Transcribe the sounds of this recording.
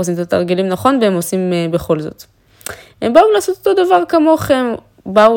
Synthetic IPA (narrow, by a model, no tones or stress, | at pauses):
osimet̪ʰat̪aʁɡilimnaχo̞nveemo̞simebeχo̞lzo̞̰t̪ | hembaulaːsot̪ot̪o̞d̪avaʁkamo̞χem | bau